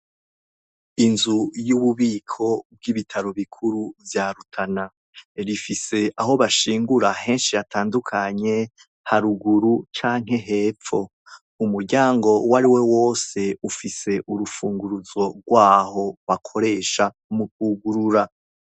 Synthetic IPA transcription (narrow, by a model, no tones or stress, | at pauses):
inzujuβuβiːkʰo̞b̚ɡiβitʰaɾoβikʰuɾuvjaːɾutʰana | ɾifise̞ʔaɦo̞βaʃiːŋɡuɾahe̞ːnʃijataːndukʰaɲe̞ | haɾuɡuɾut͡ʃaːŋɦe̞ɦe̞ːp͡fo̞ | umuɾɟaːŋɡo̞waɾiwe̞wo̞ːse̞ufise̞ʔuɾufuːŋɡuɾuzo̞ɡwaːho̞βakʰo̞ɾe̞ʃa | muk̚uɡuɾuɾa